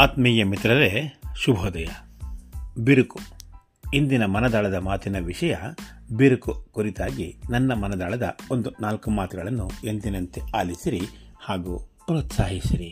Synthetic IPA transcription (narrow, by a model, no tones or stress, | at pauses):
aːt̪miːjɐmit̪ɾɐɾeʃubʱɔːd̪ɐjɐ | biɾuku | ind̪inɐmɐnɐd̪aːɭɐd̪ɐmaːt̪inɐʋiʂɐjɐbiɾukukuɾit̪aːɡinɐnːɐmɐnɐd̪aːɭɐd̪ɐ̰o̞nd̪unaːlkumaːt̪uɡɐɭɐnːuend̪inɐnt̪iaːlisiɾihaːɡuːpɾoːt̪saːɦisiɾi